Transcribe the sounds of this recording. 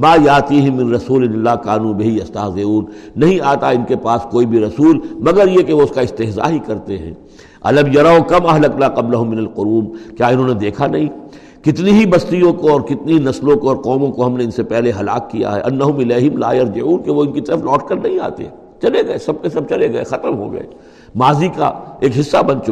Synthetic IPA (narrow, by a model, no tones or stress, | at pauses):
maːjaːt̪iːɦɪmːɪ̃nɾɐsuːlɪnɪlːaːkaːnũːbɪɦijɐst̪aːɦzeuːnːɐɦĩaːt̪aɪnkepaːskoːibʱiɾɐsuːlmɐɡəɾjekeʋoʊskaɪst̪eɦza̰ːɦikɐɾt̪eɦɛ̰̃ː | ɐ̰lɐmjɐɾaʊkɐmɐɦlɐknaːqɐblɐɦʊmːɪnɐlqʊɾuːmkjaːɪnɦõːned̪eːkʰanɐɦĩː | kɪt̪niɦibɐst̪ijõkoɔːɾkɪt̪niɦinɐslõkoɔːɾqɔːmõkoɦɐmneɪnsepɛɦleɦɐla̰ːkːija̰ɦɛ̰ʔɐnːɐɦʊmɪlaːɦɪmla̰ːjɐɾd͡ʒɪʕuːnkeʋoɪnkit̪ɐɾəflɔːʈkɐɾnɐɦĩa̰ːt̪ḛɛ̃ | t͡ʃɐleɡɐesɐb̚kesɐb̚t͡ʃɐleɡɐḛxɐt̪əmɦo̰ɡɐ̰ḛː | maːzika̰eːkɦɪsːabɐ̃nt͡ʃʊ